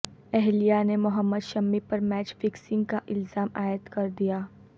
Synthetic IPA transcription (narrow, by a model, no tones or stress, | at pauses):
ɛɦlijanemʊɦəmːəd̪ʃɐmːipɐɾmɛːt͡ʃfɪksɪ̃ŋɡ̚kaʔɪlzaːmaːjət̪kɐɾd̪ijaː